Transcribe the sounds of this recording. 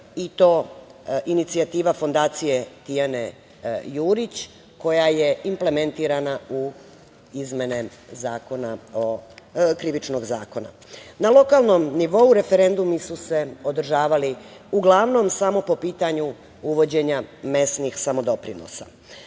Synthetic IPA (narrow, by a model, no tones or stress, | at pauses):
it̪o̞ːʔinit̪siat̪iːʋafo̞nd̪aːt̪sije̞t̪ijane̞ | juːɾit͡ɕ | ko̞jaje̞imple̞me̞nt̪iːɾanau | izme̞ne̞zaːko̞naokɾiʋit͡ʃno̞ɡzaːko̞na̰ | nalo̞kalˠno̞mniʋo̞uɾe̞fe̞ɾe̞nd̪umisuse̞o̞d̪r̩ʒaːʋaliuɡlˠaʋno̞msamo̞po̞piːt̪aɲu | uʋo̞d͡ʑe̞ɲame̞snixsamo̞d̪o̞pɾḭno̰sa̰